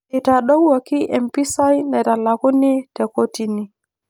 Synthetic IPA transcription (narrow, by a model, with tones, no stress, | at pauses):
i˨ta˨ɗo˦wwa˨ki˦ʔɛ˨mpi˦sa˦jnɛ˨ta˨la˨ku˦ni˦tɛ˨ko˦ti˨ni˨